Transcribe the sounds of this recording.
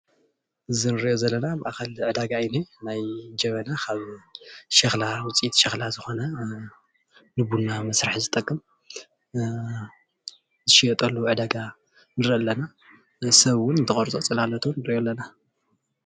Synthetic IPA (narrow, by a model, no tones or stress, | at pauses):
ʔɨzinɨɾiʔjozɐlːɐnabɨʔaxɐlʕɨd̪aɡaijnenajd͡ʒɐβɐnakʰaβʃɐxlawʊt͡sʼit̪ʼʃɐxlazɨxo̞nɐ | nɨbunːamɐsɾaħzɨt̪ʼɐkʼːɨm | zɨʃijɐt̪ʼɐlːuʕɨd̪aɡa | nɨɾɨʔɨlːɐna | sɐβwʊnnt̪ʰɨχʼɐɾt͡sʼot͡sʼɨlalːɐt̪ʰuwʊnːɨɾʔjolːɐna